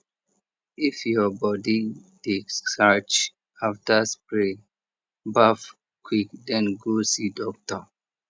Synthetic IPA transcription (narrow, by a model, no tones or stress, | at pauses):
ifjɔbɔdidesat͡ʃ | aftaspɹe | baf | kʰwikdɛ̃nɡosidɔk̚tə